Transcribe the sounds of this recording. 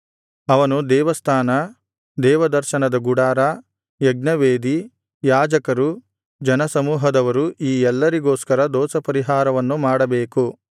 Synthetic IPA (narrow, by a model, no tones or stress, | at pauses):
ɐʋɐnud̪ɛːʋɐst̪ʰaːnɐ | d̪ɛːʋɐd̪ɐɾʃɐnɐd̪ɐɡuɽaːɾa | jɐɡnɐʋeːd̪i | jaːd͡ʒɐkɐɾu | d͡ʒɐnɐsɐmuːɦɐd̪ɐʋɐɾuʔiːɛlːɐɾiɡoːskɐɾɐd̪ɔːsɐpɐɾiɦaːɾɐʋɐnːumaːɽɐbeːku